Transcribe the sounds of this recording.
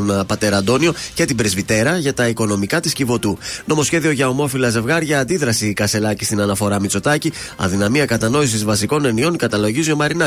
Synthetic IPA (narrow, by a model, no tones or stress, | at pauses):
nɐpɐt̪e̞ɾɐnd̪o̞nio̞ce̞t̪ibɾezvit̪e̞ɾɐʝɐt̪ɐiko̞no̞mikɐt̪iscivo̞t̪uno̞mo̞sçe̞ðio̞ʝɐo̞mo̞filɐze̞vɣɐɾʝɐːnd̪iðɾɐsiːkɐse̞lɐcist̪inɐnɐfo̞ɾɐmit͡so̞t̪ɐci | ɐ̰ðinɐmiɐkɐt̪ɐno̞isizvɐsiko̞ne̞nio̞nkɐt̪ɐlo̞ʝizio̞mɐɾinɐ